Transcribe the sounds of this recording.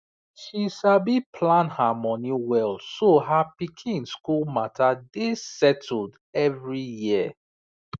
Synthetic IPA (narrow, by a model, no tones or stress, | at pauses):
ʃiʃabipʰlãnhamɔniwɛlsoɦapikʰĩnskulmatʰadesɛtʰl̩d | ɛvɹijiə